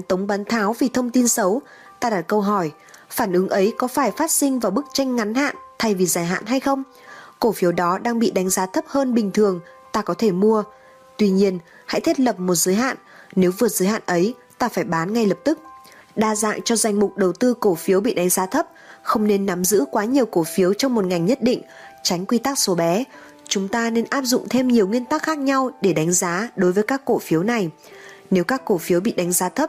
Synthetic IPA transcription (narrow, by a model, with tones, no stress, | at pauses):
t̪ə˨˦wŋ͡mɓaː˨˦nt̪ʰaː˨˦wvi˨˩t̪ʰə˧wŋ͡mt̪i˧nsə˨˦w | t̪aː˧ɗa˦˥t̚kə˧wɦɔ˧˩j | faː˧˩nʔɨ˨˦ŋʔə˨˦jkɔ˨˦faː˧˩jfaː˦˥t̚sï˧ŋ̟vaː˨˩wɓɨ˦˥k̚t͡ɕa˧jŋ̟ŋa˨˦nha̰ː˧˨nt̪ʰa˧jvi˨˩zaː˧˩jɦa̰ː˧˨nɦa˧jxə˧wŋ͡m | ko˧˩fi˨˦əwɗɔ˨˦ɗaː˧ŋɓḭ˧˨ɗa˨˦jŋ̟zaː˨˦t̪ʰə˦˥p̚həː˧nɓï˨˩ŋ̟t̪ʰɨ˨˩əŋ | t̪aː˧kɔ˨˦t̪ʰe˧˩mu˧ə | t̪wi˧ɲi˧ən | ha̰˧˥jt̪ʰjt̚lə˨˩p̚mo˨˩t̚zɨː˨˦jɦa̰ː˧˨nːe˨˦wvɨ˨˩ət̚zɨː˨˦jha̰ː˧˨nʔə˨˦j | t̪aː˧faː˧˩jɓaː˨˦nŋa˧jlə˨˩p̚t̪ɨ˦˥k̚ | ɗaː˧za̰ː˧˨ŋt͡ɕɔ˧za˨˩jŋ̟mʊ˨˩k͡p̚ɗə˨˩wt̪ɨ˧ko˧˩fi˨˦əwɓḭ˧˨ɗa˨˦jŋzaː˨˦t̪ʰə˦˥p̚xə˧wŋ͡mne˧nːa˨˦mzɨ̰˧˥kwaː˨˦ɲi˨˩əwko˧˩fi˨˦əwt͡ɕɔ˧wŋ͡mmo˨˩t̚ŋa˨˩jŋ̟ɲə˦˥t̚ɗḭ˧˨ŋ̟ | t͡ɕa˨˦jŋ̟kwi˧t̪aː˦˥k̚so˨˦ɓɛ˨˦ | t͡ɕʊ˨˦ŋ͡mt̪aː˧ne˧nʔaː˦˥p̚zʊ̰˧˨ŋ͡mt̪ʰe˧mɲi˨˩əwŋi˧ənt̪aː˦˥k̚xaː˦˥k̚ɲa˧wɗe˧˩ɗa˨˦jŋ̟zaː˨˦ɗo˨˦jvəː˨˦jkaː˦˥kːo̰˧˩fi˨˦əwna˨˩j | ne˨˦wkaː˦˥kːo˧˩fi˨˦əwɓḭ˧˨ɗa˨˦ŋ̟zaː˨˦t̪ʰə˦˥p̚